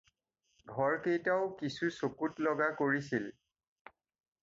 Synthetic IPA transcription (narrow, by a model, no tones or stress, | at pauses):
ɡʱɔɹkejtaʊkisusokutlɔɡakoɹisil